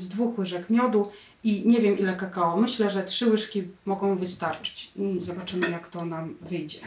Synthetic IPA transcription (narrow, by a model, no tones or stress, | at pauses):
zd̪vuxwɘʐɛkmʲjɔd̪u | iɲɛvʲjɛmʔilɛkakawɔmɘɕlɛʐɛtʂɘwɘʂkʲimɔɡɔ̃w̃vɘst̪aɾt͡ʂɘ̥t͡ɕizɔbat͡ʂɘmɘjakt̪ɔnamvɘjd͡ʑɛ